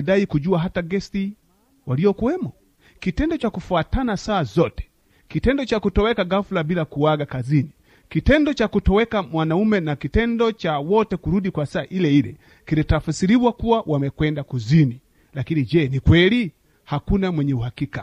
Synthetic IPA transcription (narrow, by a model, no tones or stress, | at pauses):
daikuʄuaɦataɡɛsi | waliɔkuwɛmɔ | kitɛndɔt͡ʃakufuatanasaːzɔtɛ̥ | kitɛndɔt͡ʃakutɔwɛkaɡafulabilakuwaɡakazini | kitɛndɔt͡ʃakutɔwɛkamwanaumɛnakitɛndɔt͡ʃawɔtɛkuɾuɗikwasaːʔilɛilɛ̰ | kilitafasiɾiwakuwawʔamɛkwɛndakuzini | lakinid͡ʒɛnikwɛli | hakunamwɛɲɛuhakika